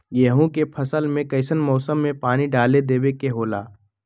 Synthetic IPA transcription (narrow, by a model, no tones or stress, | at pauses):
jeɦũkepʰɐsəlmẽkɐɪsənmɔːsəmːẽpaːniɖaːled̪eːwekeɦoːla̰ː